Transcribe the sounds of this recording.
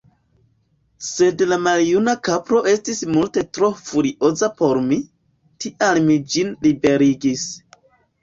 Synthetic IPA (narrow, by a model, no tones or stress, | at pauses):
se̞dlamaljunakapɾo̞ʔe̞stismulte̞tɾo̞fuɾiʔo̞zapo̞ɾmi | tiʔalmid͡ʒinlibe̞ɾiɡis